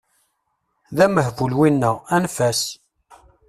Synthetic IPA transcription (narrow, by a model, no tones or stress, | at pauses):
ðæməhvulwinːæænfæs